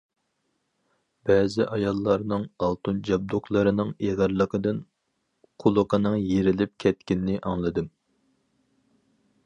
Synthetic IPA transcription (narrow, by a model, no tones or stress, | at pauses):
bɛːzɪʔɑjɑlˠːɑɾnɨŋɑlˠt̪und͡ʒɑb̚d̪oχlˠəɾɨnɨŋeʁɑɾlˠəqəd̪ɨn | qʰʊlˠəqʰənɨŋjeɾɪlɪp̚kʲʰɛt̪̚kʲɪnnɪʔɑŋlˠɨd̪ɨm